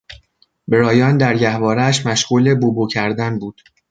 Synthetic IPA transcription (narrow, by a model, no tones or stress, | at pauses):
beɾɒːjɒːnd̪æɾɟæhvɒːɾæʃmæʃɣ̥uːle̞bubucʰæɾd̪ænbuːd̪̥